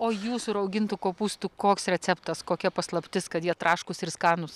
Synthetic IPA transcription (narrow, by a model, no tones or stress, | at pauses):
oːjuːsʊɾɐʊɡʲɪnt̪ʊkoːpuːst̪ʊkoːksɾʲɛt͡ssʲɛpt̪ɐskoːkʲɛpɐslˠɐpʲt̪ʲɪskɐt̪jiɛt̪ɾɑːʃkʊsɪɾskɑːnʊs